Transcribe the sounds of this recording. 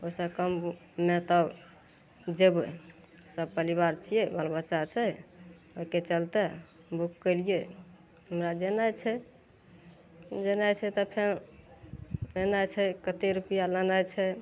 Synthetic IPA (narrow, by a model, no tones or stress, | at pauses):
osəkəm | met̪ə | d͡ʒeb | səb̚pəɾiβaɾt͡ʃʰijebəlbət͡ʃat͡ʃʰɛ | oiket͡ʃəlt̪ɛ | bukkəlije | ɦəmɾad͡ʒenajt͡ʃʰɛ | d͡ʒənajt͡ʃʰɛt̪ɔpʰeɾ | lənajt͡ʃʰɛkət̪eɾupijalənajt͡ʃʰɛ